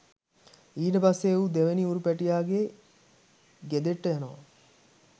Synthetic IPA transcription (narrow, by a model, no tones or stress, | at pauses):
iːʈəpasːeud̪eʋeniuɾupæʈijaːɡe | ɡed̪eʈːəjanoʋa